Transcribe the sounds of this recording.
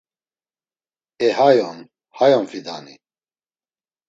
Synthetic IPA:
ɛɦajɔn | hajɔnfid̪a̰nḭ

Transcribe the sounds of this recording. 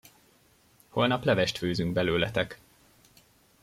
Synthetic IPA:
ho̞lnɒplɛvɛʃt̪føːzyŋɡ̚bɛløːlɛt̪ɛk

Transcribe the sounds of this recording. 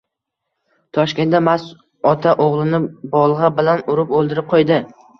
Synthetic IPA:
t̪ʰɒʃkʲe̞namas | ɒt̪ʰaʔoʁlˠɪnɪbɒlˠʁɑbɪlanʊɾɪpolˠd̪ɪɾɪp̚qʰojd̪ɪ

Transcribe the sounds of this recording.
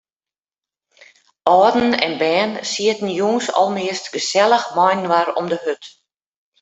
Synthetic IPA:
ʔɔːd̩n̩ɛ̰nbɛːnsiətn̩juːŋsɔ̰lˠmɪəstɡəsɛlˠəxmɔjnwaɾɔmdəhøt

